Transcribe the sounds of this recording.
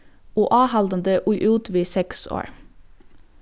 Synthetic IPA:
oːʔɑːhɑld̪ənd̪əʔuɪʔuːt̪ʋiːsɛkso̰ːɹ

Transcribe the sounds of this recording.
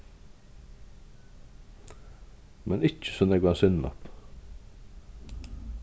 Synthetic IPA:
mʔɛnɪcːə̥sɔnɛːɡʋɑnsʏnnɔ̰p

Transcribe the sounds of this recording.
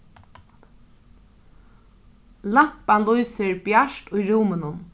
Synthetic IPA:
lampalujsɪɹbjaʃt̪ʊjɾuːmɪnʊn

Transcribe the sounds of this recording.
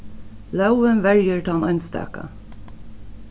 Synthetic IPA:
lawənʋæɹjəɹt̪ʰɑːnœnst̪æ̰ːkə̰

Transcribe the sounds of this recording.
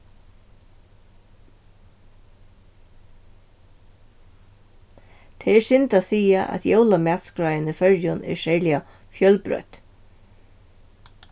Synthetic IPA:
t̪ʰɛɛɹsɪnt̪asiːaʔæ̰t̪jowlamæːt̪skɾajənəfœɹjʊnɛ̰ɹʃɛɹlɪa | fjœlpɾœ̰ːt̪

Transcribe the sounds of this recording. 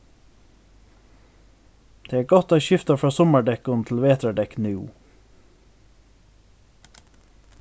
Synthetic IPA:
d̪̥eːæːɡɔt̪ɑːçʏft̪ɑfɾɑːsɔməɖɛkʊnt̪ʰl̩ʋeːt̪əɖɛknɪṵː

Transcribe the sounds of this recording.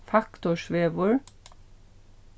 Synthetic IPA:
fɑkt̪ʊʃʋeːʋʊɹ

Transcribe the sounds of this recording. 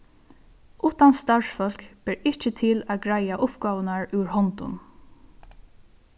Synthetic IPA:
ʔuht̪anst̪aɹsfœl̥kb̥ɛɹɪht͡ʃət̪ʰɪlaːɡɹajaʔʊpɡaːʋənaɹʉɹhɔnt̪ʊ̰n

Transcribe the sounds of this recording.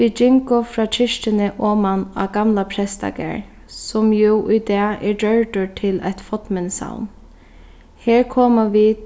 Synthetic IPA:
ʋiːd͡ʒɪŋkʊfɾɑːt͡ʃʰɪʃtɪnəʔɔːmana̰ɡamlapʰɾɛst̪a̰kɛ̰ɹ | sʊmjuʔʊjd̪ɑːɛɹɖœɹʈ̪ʊɹt̪ʰɪla̰jt̪fɔt̪mɪnsa̰wn | heːɹkʰɔːmaʋi

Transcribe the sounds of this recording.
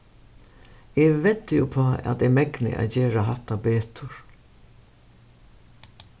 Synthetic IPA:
ɪʋɛt̪ːɪjʊpʰɔːa̰d̪ɪmɛknɪ̰ʔa̰d͡ʑeːɾaɦat̪abeːt̪ʰʊɹ

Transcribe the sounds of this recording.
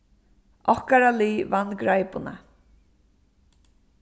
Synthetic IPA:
ʔɔhkaɾaliːvanɡɾajpʊna̰

